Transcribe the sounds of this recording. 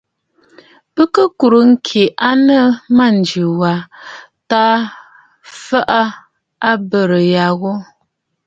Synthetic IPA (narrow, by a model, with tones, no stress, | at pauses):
pə˦kə˦ku˨ɾə˨ŋ̩˦kʰe˨ʔa˦nə˦ma˦˨n̩˨d͡ʒʉ˨wa˨ | ta˦ | fa˦ʔə˦ | a˦bə˦˨ɾə˨ja˨ɣo˦